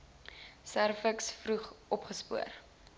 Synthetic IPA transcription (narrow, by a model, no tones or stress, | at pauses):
særfəksfruχʔɔpχəspuər